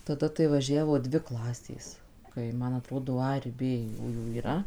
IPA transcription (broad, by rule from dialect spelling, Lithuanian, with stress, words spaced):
tɐˈdɐ tɐɪ ʋɐˈʒʲæːʋoː ˈdʲʋʲɪ ˈklˠɑːsʲeːs ˈkɐɪ ˈmɐn ɐˈtroːdoː ˈɐ ɪr ˈbʲeː ˈjuːjuː iːˈrɐ